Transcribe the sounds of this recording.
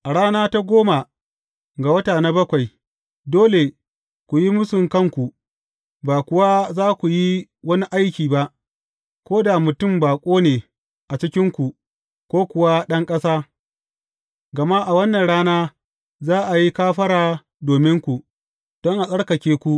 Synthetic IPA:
ʔa˨ɽaː˦naː˦ta˦ɡʷoː˦ma˨ | ɡa˨wɐ˦taː˨na˦bɐ˦kʷa˨j | doː˦le˨ | kʷu˨ji˦mʊ˦sʊ˨ŋkɐ˦˨ŋkʷu˨ | baː˨kʷʊ˨wa˦zaː˦kʷu˨ji˦wɐ˦ni˦ʔa˦jkʲiː˨ba˦ʔ | kʷoː˦da˨mʊ˨tʊ˦˨mbaː˨kʷʼoː˦neː˨ | ʔa˨t͡ʃɪ˦kʲɪ˦ŋkʷu˨ | kʷoː˦kʷʊ˨wa˦ɗɐ˦ŋkʼɐ˦saː˦ | ɡɐ˨ma˦ʔa˨wɐ˦nːɐ˨nɽaː˦naː˦ | zaː˦ʔa˨ji˦kaː˦ɸɐ˦ɽaː˨ | doː˨mɪ˦ŋkʷu˨ʔ | d̥ɔ˦ŋʔa˨sʼɐ˦ɽkɐ˨kʲeː˦kʷu˦ʔ

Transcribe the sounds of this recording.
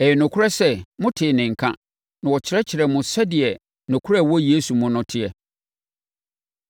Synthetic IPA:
ɛ˨jɛ˨nʊ̃˨kʰʊ˦ɾa˦sɛ˦mʊ̃˦tʰɪ˨nɪ̃˨ŋ̩˨kʰã̰˦ | nã˨wɔ˨t͡ɕʰɪ˨ɾɛ˦t͡ɕʰɪ˨ɾɛ˨mʊ̃˨sɛ˦dɪ˨ɛ˨ | nʊ̃˨kʰʊ˦ɾa˦˨wɔ˦je˦su˨mʊ̃˦nʊ̃˦tʰɪ˦ɛ˨

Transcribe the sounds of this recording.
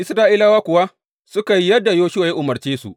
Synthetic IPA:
ʔɪ˦sɾaː˦ʔiː˦laː˦waː˦kʷʊ˨wa˦ | sʊ˦ka˨ji˦jɐ˦dːa˨joː˦ʃʊ˦wa˨ja˦ʔʊ˨mɐ˨ɾt͡ʃeː˦sṵ˨ʔ

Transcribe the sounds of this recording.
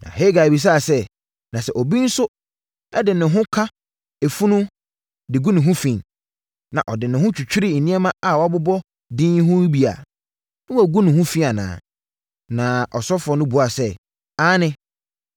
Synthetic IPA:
nã̰˨ɦe˦ɡa˨bi˨s̬aː˦˨sɛ˦ | nã˨sɛ˦ʔɔ˨bi˦n̩˦sʊ˦ | ɛ˦dɪ˨nɪ̃˨ɦʊ̃˦kʰã˦ | e˨fu˦nʊ̃˦ | dɪ˨ɡu˦nʊ̃˨ɦʊ̃˦fĩ˨ | nã̰˨ʔɔ˨dɪ˨nɪ̃˨ɦʊ̃˦t͡ɕʰᶣu˨t͡ɕᶣi˦ɾɪ˦˨n̩˨nĩ˦ɛ˦mã˦a˨wɔ˨˦a˦˨bʊ˦bɔ˦ | dĩ˦ɦʊ̃˦bi˨a̰˨ | nʊ̃˦˨ɡu˦nʊ̃˨hʊ̃˦fi˦a˨nã̰ː˨ | nã˨ʔɔ˨sɔ˦fɔ˦nʊ̃˦bu˨a˨sɛ˦ | a˦nɪ̃˦

